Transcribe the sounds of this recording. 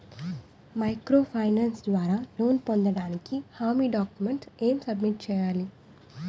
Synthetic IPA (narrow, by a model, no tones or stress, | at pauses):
mɐjkɾoːpʰɐjnaːnsd̪ʋaːɾaːloːnpond̪ɐɽaːnikihaːmiːɖaːkjumeɳʈeːmsɐbmiʈ̚t͡ʃɛːjaːli